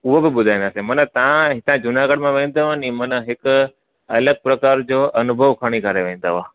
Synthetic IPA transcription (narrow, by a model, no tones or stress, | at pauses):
ʊɦobɪbʊd̪ʱaːɪ̃nd̪aːsẽmɐnət̪ɐãɦɪt̪ãd͡ʑʊnaːɡəɽmãʋẽːn̆d̪aɦanĩmɐnəɦɪkʊ | ɐləɡ̚pɾɐkaːɾd͡ʑoːʔɐnʊbʱəʋkʰaɽ̃ikəɾeʋẽːn̆d̪aɦaː